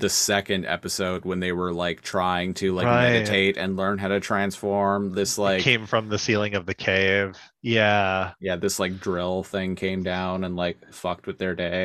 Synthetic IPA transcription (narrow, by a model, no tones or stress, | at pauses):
ðɨsɛkɨ̃ndɛ̰pɨsoʊd̚wə̃nðeɪwə˞laɪk̚tʰɹ̥aɪɪ̃ŋtʰɨlaɪmɪmɛɾɨtʰeɪɾɨ̃nlɜ̃˞nɦaʊɾɨtʰɹ̥æ̃nsfɔɹmðɪslaɪkʰẽɪ̃ɱfɹʌ̃mðɨsilˠɪ̃ŋʌvðɨkʰeɪv̥ | jæjæðɪslaɪk̚dɹɪlˠθɪ̃ŋkʰẽɪ̃mdãʊ̃nɨ̃nlaɪk̚fʌk̚t̚wɨðə˞deɪ